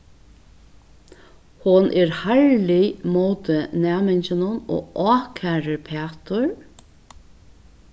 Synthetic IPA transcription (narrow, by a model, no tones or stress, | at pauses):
hʊnʔɛɹhaɹlimoːt̪ənæːmɛnt͡ʃɪnʊno̰ːʔɔːkʰaːɾɪpʰɛːt̪ʊɹ